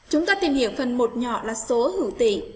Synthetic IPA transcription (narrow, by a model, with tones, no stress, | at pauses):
t͡ɕʊ˨˦ŋ͡mt̪aː˧t̪i˨˩nhi˧˩əwfə˨˩nmo˨˩t̚ɲɔ̰˧˨laː˨˩so˨˦hɨ̰˧˩t̪ḭ˧˩˨ŋ